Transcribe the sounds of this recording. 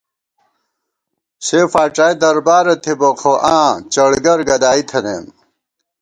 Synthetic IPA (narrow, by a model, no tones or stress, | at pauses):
sefaːʈ͡ʂaːjd̪ɐɾbaːɾɐt̪ʰibokʰoʔãːt͡ɕɐɽɡɐɾɡɐd̪aːit̪ʰɐnḛːm